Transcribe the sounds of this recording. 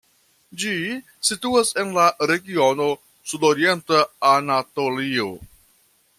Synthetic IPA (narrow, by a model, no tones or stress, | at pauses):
d͡ʒi | situase̞nlaɾe̞ɡio̞no̞ | sudoɾie̞ntaanato̞lio